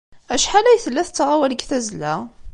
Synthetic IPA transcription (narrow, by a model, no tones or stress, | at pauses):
æʃħalæjθəlːæθt͡sːʁawæləɡθæzlæ